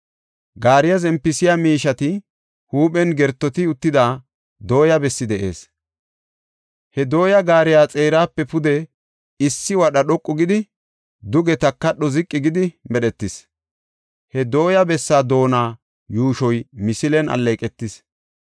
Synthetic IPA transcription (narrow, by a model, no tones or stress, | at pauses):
ɡaːɾɪjazɛmpːɪsɪjamiːʃɐt̪ɪ | huːɓɛnɡɛɾt̪ːɔt̪ɪʊt̪ːɪd̪aː | d̪o̞ːjɐbɛsːɪd̪ɛʔe̞̰ːs | hɛd̪o̞ːjɐɡaːɾɪjaːt͡sʼe̞ːɾaːpːɛpʊd̪ɛ | ɪsːɪwɐɗɐɗɔkʼːʊɡɪd̪ɪ | d̪ʊɡɛt̪ɐkːɐɗːɔzɪkʼːɪɡɪd̪ɪmɛɗɛt̪ːɪs | hɛd̪o̞ːjɐbɛsːaːd̪o̞ːnaː | juːʃɔjmɪsɪlɛnɐ̰lːeːkʼɛt̪ːɪs